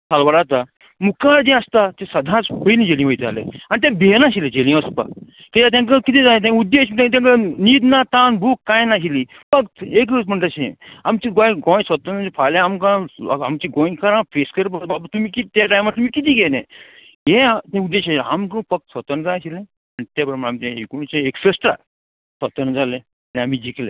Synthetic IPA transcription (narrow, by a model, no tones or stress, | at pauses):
t̪ʰalʋəɾat̪a | mukaɽd͡ʑẽəst̪at̪esɐd̪ʱãt͡spəjlĩd͡ʑelĩʋəjt̪a̰lḛañit̪̬ẽbʱenãɕilẽd͡ʑelĩəspa̰ | kit̪at̪ʲãk̬əkit̪ĩd͡zajẽt̪̬ẽud̪ːeɕt̪ãt̪̬ãŋkəniːd̪nat̪anbʱuːkːãjnaɕili | fək̚t̪ek̬əm̤əɳʈ̪aɕḛ̃amt͡ɕiɡõj̃ɡõj̃sʋət̪ənefalẽamkãamt͡ɕiɡõjkaɾãfeskəɾpəɾbabat̪umiːkit̪aʈajmaɾt̪umiːkit̪iːɡʱenḛ̃ | jeat̪ẽud̪ːeɕaea̰mkũfək̚t̪sʋət̪ənd͡zaaɕilẽ | ət̪apɾmpəɾamt̪ẽekunt͡ɕẽeksəsʈɾa̰ | sət̪ənd͡zalẽ | anĩam̤id͡ʑiklḛ